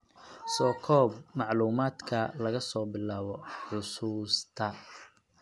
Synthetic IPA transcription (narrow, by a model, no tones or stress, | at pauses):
sɔːkʰɔːb̚mɑʕluːmaːd̪kʰɐlɐɣɐsɔːbɪlaːβɔħʊsuːst̪ʰɐ